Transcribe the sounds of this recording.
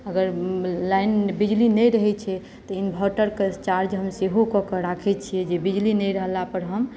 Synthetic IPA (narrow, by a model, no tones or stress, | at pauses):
əɡəɾlajnbid͡ʒlinɛjɾəɦɛt͡ʃʰɛ | t̪ɔinbʱɔʈəɾket͡ʃaɾd͡ʒɦəmseɦokɔkəɾakʰɛt͡ʃʰijɛd͡ʒebid͡ʒlinəjɾəɦlapəɾɦəm